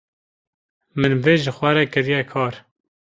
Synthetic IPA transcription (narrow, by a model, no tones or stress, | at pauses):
mɨnveːʒɨxʷɛɾɛkɨɾijɛkʰɑːɾ